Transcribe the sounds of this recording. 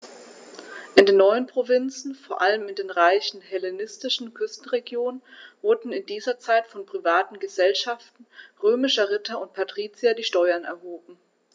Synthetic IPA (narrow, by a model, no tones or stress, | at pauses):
ʔɪndeːnːɔʏənpʁ̥ovɪnt͡sn̩foːɐʔaləmɪndeːnʁaɪçn̩hɛlenɪstɪʃn̩kʰʏstn̩ʁeɡjoːnənvʊɐdn̩ɪndiːzɐt͡saɪtfɔnpʁ̥ivaːtn̩ɡəzɛlʃaftn̩ʁøːmɪʃɐʁɪtʰɐʊnt̚pʰatʁ̥iːt͡siadiːʃtɔʏɐnɛ̰ɐɦoːbm̩